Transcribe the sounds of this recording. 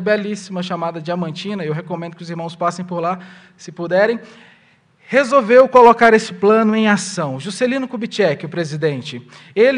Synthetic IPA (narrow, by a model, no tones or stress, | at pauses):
bɛlisimɐʃamad̪ɐd͡ʒɪamɐ̃nt͡ʃĩnɐewɦekomẽnd̪ʊkɪʊziɾmɐ̃w̃spasẽj̃poɾla | sɪpud̪ɛɾẽj̃ | hezowvewkolokaɾesɪ̥plɐ̃nʊẽj̃asɐ̃w̃ʒuselĩnʊkubit͡ʃɛkɪʊpɾezid̪ẽnt͡ʃɪ | el